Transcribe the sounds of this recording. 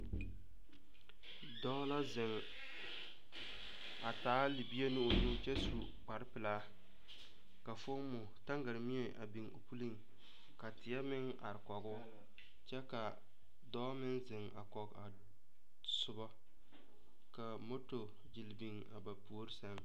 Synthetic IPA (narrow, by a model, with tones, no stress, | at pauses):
dɔː˦la˦zɪ˨ŋ | a˨taː˨˦li˨bi˦e˦nɪ˦o˨ɲu˦t͡ʃɛ˦su˨ | k͡pa˨ɾɪ˦pɪ˨laː˦ | ka˨fo˦mːʊ˨ta˦ŋɡa˨ɾmi˦e˨ʔa̰˨bi˨ŋo˨pu˦li˦ŋ | ka˨tɪ˨ja˦mɪ˦ŋ | a̰˨ɾɪ˨kɔ˨ɡʊ˦ | t͡ʃɛ˦ka˨ | dɔː˦mɪ˦nzɪ˨ŋa̰˨kɔ˨ka̰˨ | sʊ˦bɔ˦ | ka˨mo˦to˨ | d͡ʒi˨lbi˨ŋ | a̰˨ba˨pu˨˦o˦ɾɪ˦sa˦ŋ